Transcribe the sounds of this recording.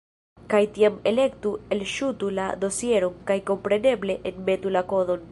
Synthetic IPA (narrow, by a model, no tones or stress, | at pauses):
kajt̪iamele̞kt̪uelʃut̪ula̰d̪o̞sieɾoŋkajko̞mpɾe̞ne̞ble̞ʔenme̞t̪ulako̞ðo̞n